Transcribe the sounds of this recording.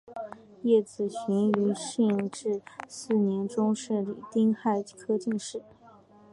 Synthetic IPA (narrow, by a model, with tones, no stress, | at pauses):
jɛ˥˩t͡sɹ̩˨˩ɕy˧˥ny˧˥ɕi˥˧ŋʈ͡ʂɻ̩˥˧sɹ̩˥˩njɛ˧˥nʈ͡ʂʊ˥ŋʂɻ̩˥˩li˨˩t̪i˥ŋxa˥˩ɪkʰɤ˥t͡ɕi˥˧ŋʂɻ̩˥˩